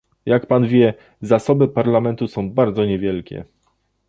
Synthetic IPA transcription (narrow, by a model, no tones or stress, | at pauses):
jakpanvʲjɛ | zasɔbɘpaɾlamɛnt̪usɔ̃w̃baɾd̪zɔɲɛvʲjɛlkʲɛ̰